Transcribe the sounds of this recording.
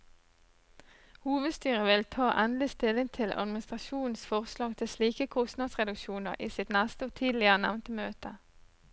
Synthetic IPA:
huːʋəd̪st̪yːʁəʋɪlt̪ʰɑːʔɛnlɪst̪ɪlɪŋt̪ʰɪlʔɑ̰d̪mɪnɪst̪ʁɑʃuːn̩sfɔʁslɑːɡt̪ʰɪsliːkəkʰʊst̪nɑːd̪sʁɛd̪ʉkʃuːnə̰ʁʔiːsɪt̪næst̪əoːt̪ʰiːd̪lɪəʁənæʋnt̪əmøːt̪ə

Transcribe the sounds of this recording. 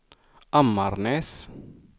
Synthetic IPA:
amːaɾnes

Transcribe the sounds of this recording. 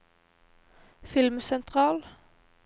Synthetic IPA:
fɪlmsɛnt̪ʰʁɑːl

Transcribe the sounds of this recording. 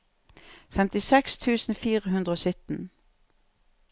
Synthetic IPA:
fɛmt̪ɪsɛkst̪ʰʉːsn̩fiːʁəhʉnd̪ʁəoːsʏt̪n̩

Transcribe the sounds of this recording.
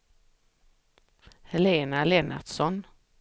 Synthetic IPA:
hɛleːnalɛna̰ʈsɔn

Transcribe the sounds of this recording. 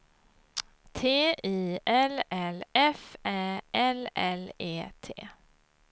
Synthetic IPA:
t̪ʰeːiːɛlɛlɛfæːʔɛlɛ̰leːt̪ʰḛː

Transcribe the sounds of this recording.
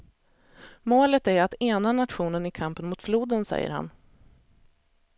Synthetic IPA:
moːlət̪æɾat̪eːnanat̪ɧuːnənɪkʰampənmʊt̪fluːd̪ənsɛ̰jːə̰ɾha̰n

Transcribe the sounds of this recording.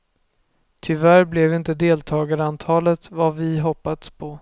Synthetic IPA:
t̪ʰʏvæɾblɛvɪnt̪əd̪eːlt̪ʰɑːɡaɾəant̪ʰɑːlət̪vavɪɦɔpːad̪spʰɔ

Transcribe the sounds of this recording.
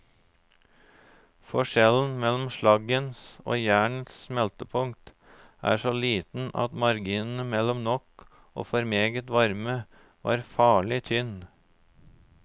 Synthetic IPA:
fɔʂɛln̩mɛlɔmʃɭɑɡənso̰ːjæːɳət̪ssmɛlt̪əpʰʊŋt̪ | ʔæ̰ːʂɔliːt̪n̩ʔɑ̰t̪mɑɾɡiːnn̩əmɛlɔmnɔk | o̰ːfɔɾmeːɡət̪ʋɑɾmə | ʋʔɑ̰ːɾfɑːɭɪt̪ʰʏn

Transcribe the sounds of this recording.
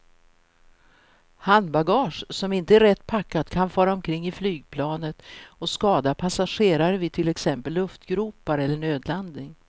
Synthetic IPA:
hand̪baɡɑːʂsɔmɪnt̪əæɾɛt̪ːpʰakːat̪kʰanfœːɾaɔmkʰɾɪŋːɪflyːɡ̚pʰlɑːnət̪ɔskɑːd̪apʰasaɧeːɾaɾəvɪt̪ʰɪlɛksɛmpəlːɵft̪ɡɾuːpaɾɛlːəɳøːd̪land̪nɪŋ

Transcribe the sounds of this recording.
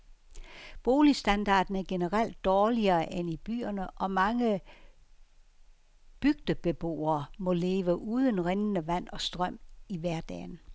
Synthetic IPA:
b̥o̝ːlisd̥ænd̥ɑ̰̈ːd̥n̩æɐɡ̥e̝nəʁal̰d̥ːɒːliɐːʔenib̥y̰ːɐnəʔɒ̽mɑ̈ŋə | b̥yɡ̥d̥əb̥e̝b̥o̝̰ːɐːmɔ̽le̝ːʋəʔuːð̞ˠən̩ʁeŋnəʋæn̰ɒ̽sd̥ʁɶm̰iʋæɐ̰d̥ɛ̰ːn̩

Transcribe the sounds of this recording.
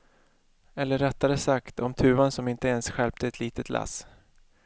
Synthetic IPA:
ɛlːəɾːɛt̪ːaɾəsakt̪ʰɔmt̪ʰʉ̟ːvansɔmɪnt̪əɛnsɧɛlp̚t̪əɛt̪liːt̪ət̪lʔa̰s

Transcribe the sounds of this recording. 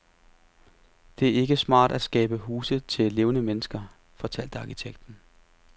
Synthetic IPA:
d̥e̝æɐe̝ɡ̥əsmɑ̰̈ːd̥æ̥sɡ̥ɛ̰ːb̥əɦuːsət͡sʰe̝le̝ːʊnəmenəsɡ̥ɐ | fɒ̽t͡sʰæl̰d̥əɑ̈kit͡sʰeɡ̥̚d̥n̩

